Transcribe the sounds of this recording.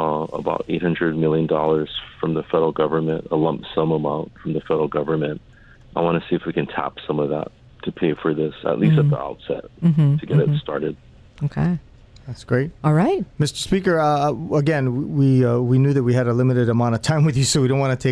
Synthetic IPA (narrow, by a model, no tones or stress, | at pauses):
ə̰baʊɾḛɪt̚hʌ̃ndɹɨd̚mɪlˠjɨ̃ndɔlˠə˞z̥fɹʌ̃mðəfɛɾə˞l̩ˠɡʌvə˞mɨ̃ntəlʌ̃mpsʌ̃məmãʊ̃ntfɹʌ̃mðəfɛɾə˞l̩ˠɡʌvə˞mɨ̃nt̚ | ʔaɪwɑ̃nɨsiɨfwikɨ̃ntʰæ̰psʌ̃mʌvðæ̰tʰ | ɨpʰeɪfə˞ðɪsə̰ʔˡlʔistʌðḭa̰ʊtsɛ̰t̩̚tʰɨɡɛɾɨtstɑ̰ɹɾɨd̥̚ | oʊkʰeɪ | ðætsɡ̥ɹeɪt̚ɔlˠɹaɪt̚mɪstə̥˞spikə˞ʌəɡɛ̃niwiwinjʉðɨt̚wiɨɾəlɪmɨɾɨɾəmãʊ̃ñʌv̥tʰãɪ̃mwɨðjɨsoʊwiɾõʊ̃nwɑ̃nɨtʰeɪ